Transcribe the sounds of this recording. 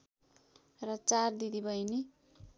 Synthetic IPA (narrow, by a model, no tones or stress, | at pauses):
rʌt͡sard̪id̪ibʌjni